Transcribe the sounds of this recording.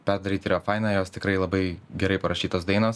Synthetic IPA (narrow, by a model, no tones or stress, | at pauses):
pʲɛɾd̪ɐɾʲiːt̪ʲɪɾoːfɐɪnɑːjoːst̪ʲɪkɾɐɪlˠɐbɐɪɡʲɛɾɐɪpɐɾɐʃʲiːt̪oːsd̪ɐɪnoːs